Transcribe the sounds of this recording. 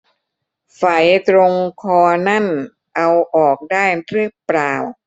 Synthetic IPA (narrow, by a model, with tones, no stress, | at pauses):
fa˨˩jt̪ɾo˧ŋkʰɔː˧na˥˩n | ʔa˧wʔɔː˨˩k̚daː˥˩jɾɯ˥˩əpɾaː˨˩w